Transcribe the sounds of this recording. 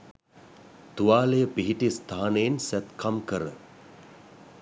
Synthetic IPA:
t̪uʋaːlejəpiɦiʈist̪ʰaːnejensæt̪kʰamkəɾə

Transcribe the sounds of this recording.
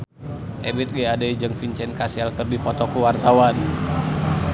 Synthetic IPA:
ʔɛbit̪̚ɡiadaid͡ʒɨŋfiɲt͡ʃɛnkasialkərdipɔt̪ɔkuwart̪awan

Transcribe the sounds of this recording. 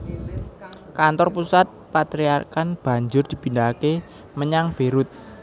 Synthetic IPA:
kant̪ɔrpusat̪̚pat̪ɾiakanb̥a̤ɲd͡ʒʊrd̪̥i̤b̥i̤ndake | məɲaŋb̥e̤ɾʊt̪̚

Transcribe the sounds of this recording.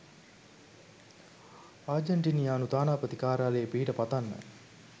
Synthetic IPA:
aːd͡ʒeɳʈinijaːnut̪aːnaːpət̪ikaːɾaalejəpiɦiʈəpat̪anːə̰

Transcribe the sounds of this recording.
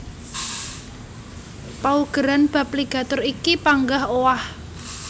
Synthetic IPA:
pauɡ̥ə̤ɾanb̥ä̤p̚liɡ̥ä̤t̪ʊɾikipaŋɡahowah

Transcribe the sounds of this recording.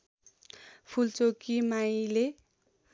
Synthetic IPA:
pʰult͡sokimaj̃le

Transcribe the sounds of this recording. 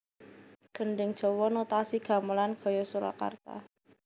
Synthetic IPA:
ɡ̥əɳɖɪŋd̥ʒ̥ɔ̤wɔnot̪asiɡ̥a̤məlanɡ̥ɔ̤jɔsuɾa̰ka̰rt̪a̰

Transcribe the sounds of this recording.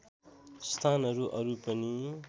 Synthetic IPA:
st̪ʰanɦʌɾuʔʌɾupʌni

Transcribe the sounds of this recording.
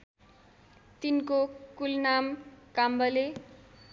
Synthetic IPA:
t̪inkokulnamkambʌle

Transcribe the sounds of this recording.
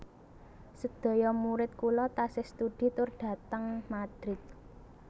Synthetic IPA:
səd̪̥o̤jɔmuɾɪt̪̚kulɔt̪asɪhst̪ud̪̥i̤t̪ʊrɖ̪̥ä̤t̪əŋmad̪̥ɾɪt̪̚

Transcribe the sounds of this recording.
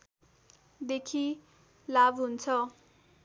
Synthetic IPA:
d̪ekʰi | labɦunt͡sʰʌ

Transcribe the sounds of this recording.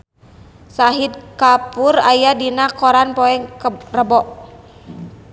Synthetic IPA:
saɦid̚kapurajadinakɔɾanpɔɛŋkrəbɔʔ

